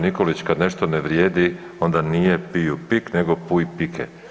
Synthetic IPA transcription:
niko̞lit͡ɕkad̪ne̞ʃt̪o̞neʋɾjeːd̪i | o̞nd̪anije̞piupikne̞ɡo̞pujpikʰḛ

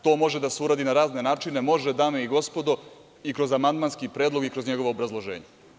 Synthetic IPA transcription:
t̪o̞ːmo̞ʒed̪aseuɾaːd̪inaɾaːzne̞naːt͡ʃine̞mo̞ʒed̪aːmeiɡo̞spo̞d̪o̞ | ikɾo̞zamand̪manskipɾe̞ːd̪lo̞ɡikɾozɲeɡo̞ʋoobɾazlˠo̞ʒḛːɲe

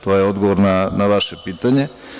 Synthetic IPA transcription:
t̪ojeo̞d̪ɡoʋoɾnanaʋaʃepiːt̪aɲe̞

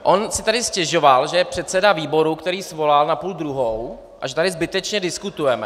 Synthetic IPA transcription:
ʔo̞nsɪt̪adɪscɛʒo̞valʒɛjɛpr̝̥ɛt̪sɛdaviːbo̞ɾukt̪ɛɾiːsvo̞lalnapuːld̪ɾuɦow | ʔaʒɛt̪adɪzbɪt̪ɛt͡ʃɲɛdɪskut̪ujɛmɛ

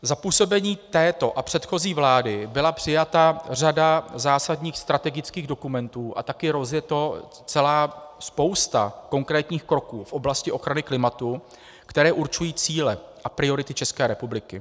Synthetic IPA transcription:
zapuːso̞bɛɲiːt̪ɛːt̪o̞ʔapr̥ɛt̪xo̞ziːvlaːdɪbɪlapr̥ɪjat̪ar̝adazaːsadɲiːxst̪ɾat̪ɛɡɪt͡skiːɣdo̞kumɛnt̪uːʔa̰t̪akɪɾo̞zjɛt̪o̞ | t͡sɛlaːspo̞wst̪a̰ko̞ŋkɾɛːt̪ɲiːxkɾo̞kuːfʔo̞blascɪʔoxɾanɪklɪmat̪u | kt̪ɛɾɛːʔuɾt͡ʃujiːt͡siːlɛʔapɾɪo̞ɾɪt̪ɪt͡ʃɛskɛːɾɛpublɪkɪ

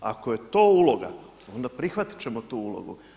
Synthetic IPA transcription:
a̰koje̞t̪o̞ulˠo̞ɡa̰ | o̞nd̪apɾixʋat̪i̥t͡ɕe̞mo̞t̪uːulo̰ɡṵ

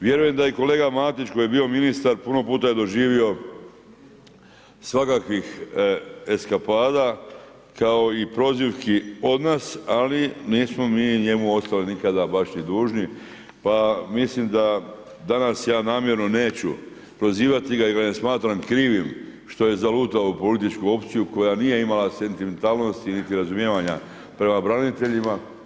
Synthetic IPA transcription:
ʋje̞ɾuje̞md̪ajeko̞le̞ːɡamaːt̪it͡ʃko̞je̞bio̞minist̪aɾpuno̞puːt̪aje̞d̪o̞ʒiːʋio̞ | sʋakakʋix | e̞skapaːd̪a | kao̞ipɾo̞ziʋkio̞d̪naːsaliniːsmo̞miːɲe̞muo̞st̪alinikad̪abaʃnid̪uːʒni | pamislimd̪a | d̪anasjaːnaːmje̞ɾno̞ne̞ːt͡ɕu | pɾo̞ziːʋat̪iɡaiɡanesmaːt̪ɾamkɾiːʋimʃt̪o̞je̞zaluːt̪aupo̞lit̪it͡ʃkuo̞pt̪sijuko̞janije̞imalase̞nt̪ime̞nt̪aːlno̞st̪init̪iɾazumjeːʋaɲa | pɾe̞mabɾanit̪e̞ʎima

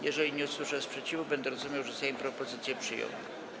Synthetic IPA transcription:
jɛʐɛlʲiɲɛuswɘʂɛspʂɛt͡ɕivubɛnd̪ɛɾɔzumʲjawʐɛsɛjimpɾɔpɔzɘt̪sʲjɛpʂɘjɔ̰̃w̃

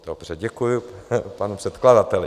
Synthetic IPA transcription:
d̥obr̝ɛɟɛkujʊpanupr̥ɛt̪kladat̪ɛlɪ

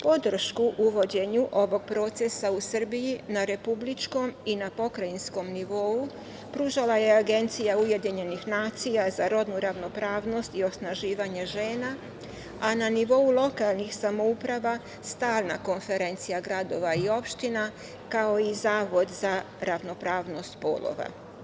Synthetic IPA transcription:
po̞d̪r̩ʃkuʔuʋo̞d͡ʑe̞ɲuʔo̞ʋo̞ɡ̥̚pɾo̞ːt̪sesausr̩bijinaɾe̞publit͡ʃko̞minapo̞kɾajinsko̞mniʋo̞u | pɾuːʒalaje̞aɡe̞nt̪sijauje̞d̪iɲe̞nixnaːt̪sijazaɾo̞d̪nuɾaʋno̞pɾaːʋno̞st̪io̞snaʒiːʋaɲe̞ʒe̞ːna | ananiʋo̞ulˠo̞kalˠnixsamo̞upɾaʋa | st̪aːlna̰ko̞nfe̞ɾe̞nt̪sijaɡɾad̪o̞ʋaio̞pʃt̪ina | kao̞izaːʋo̞d̪za | ɾaʋno̞pɾaːʋno̞st̪po̰lˠo̰ʋa̰

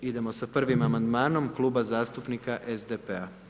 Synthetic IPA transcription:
id̪e̞mo̞sapr̩ʋimamand̪maːnomklˠuːbazaːst̪upnikaʔezd̪epea

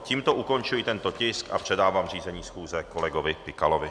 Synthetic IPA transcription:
ciːmt̪oʔuko̞nt͡ʃujɪt̪ɛnt̪ocɪska̰pr̥ɛdaːvaːmriːzɛɲiːsxuːzɛkolɛɡovɪpɪkalovɪ

